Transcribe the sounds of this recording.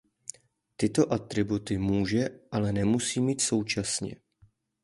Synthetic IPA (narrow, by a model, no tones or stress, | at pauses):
t̪ɪt̪o̞ʔat̪ɾɪbut̪ɪmuːʒɛʔalɛnɛmusiːmiːt̪so̞wt͡ʃasɲɛ̰